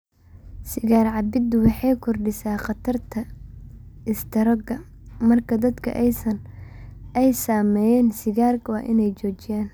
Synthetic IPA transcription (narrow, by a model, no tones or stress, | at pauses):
sɪɣaːrʕɑbɪd̪ʊwɑħɑjkʰɔrɖɪsaːqɐt̪ʰɐrt̪ʰɐ | ɪst̪ʰɐɾɐɡɐ | mɐrkʰɐd̪ɐd̪kʰɐ̰ʔɛjsɐn | ʔɛjsaːmɛːjɛːnsɪɣaːrwɑːʔɪnɛjt͡ʃɔːt͡ʃɪjaːn